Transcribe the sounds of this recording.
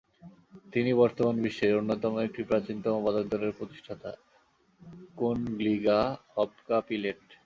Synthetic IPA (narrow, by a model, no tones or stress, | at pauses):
t̪inibɔɾt̪omanbiʃːeonːot̪ɔmoek̚ʈipɾat͡ɕint̪omobad̪ok̚d̪ɔɾeɾpɾot̪i̥ʃʈʰat̪a̰ | konɡliɡahɔbkapileʈ